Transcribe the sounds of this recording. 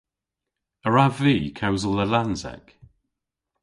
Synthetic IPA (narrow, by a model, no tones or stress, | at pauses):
əɹaviːkʰəʊzəlˠðəlãnzɛ̰k